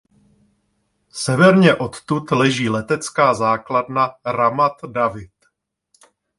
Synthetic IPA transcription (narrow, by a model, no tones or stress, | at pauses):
sɛvɛɾɲɛʔo̞t̪t̪ut̪lɛʒiːlɛt̪ɛt͡skaːzaːkladnaɾamat̪davɪt̪